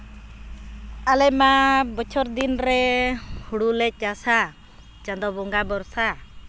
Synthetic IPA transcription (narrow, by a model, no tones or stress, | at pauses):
alɛmabɔt͡ʃʰɔɾd̪inɾɛhuɽulɛc̚asa | t͡ʃand̪ɔbɔŋɡabɔɾsa